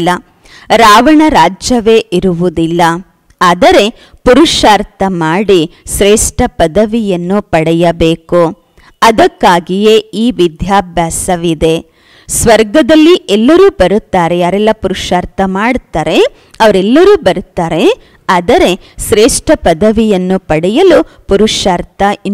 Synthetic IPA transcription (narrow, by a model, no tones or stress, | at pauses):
lːɐ | ɾaːʋɐɳɐɾaːd͡ʒjɐʋe̞ːʔiɾuʋud̪ilːɐ | aːd̪ɐɾe̞ | puɾuʂaːɾt̪ʰɐmaːɽiʃɾeːʂʈʰɐpɐd̪ɐʋijɐnːupɐɽɛjɐbeːku | ɐd̪ɐkːaːɡije̞iːʋid̪ʱjaːbʱjaːsɐʋid̪e̞ | sʋɐɾɡɐd̪ɐlːiʔɛlːɐɾuːbɐɾut̪ːaːɾe̞jaːɾɛlːɐpuɾuʂaːɾt̪ʰɐmaːɽt̪aːɾe̞ | ɐʋɐɾɛlːɐɾuːbɐɾut̪ːaːɾe̞ | aːd̪ɐɾe̞ | ʃɾeːʂʈɐpɐd̪ɐʋijɐnːupɐɽɛjɐlu | puɾuʂaːɾt̪ʰɐ